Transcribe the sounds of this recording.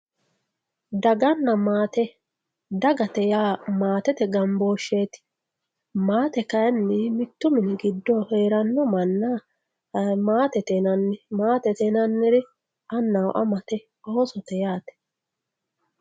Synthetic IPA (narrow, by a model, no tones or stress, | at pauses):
d̪ɐɡɐnːɐmaːt̪ɛ | d̪ɐɡɐt̪ɛjaːmaːt̪ɛt̪ɛɡɐmbo̞ːʃːeːt̪ɪ̥ | maːt̪ɛkɐjɐnːɪmɪt̪ːʊmɪnɪɡɪd̪ːɔheːɾɐnːɔmɐnːa | maːt̪ɛt̪ɛnɐnːɪmaːt̪ɛt̪ɛnɐnːɪɾɪ | ɐnːɐw̰ʔɐmɐt̪ɛ | oːsɔt̪ɛjaːt̪ɛ̥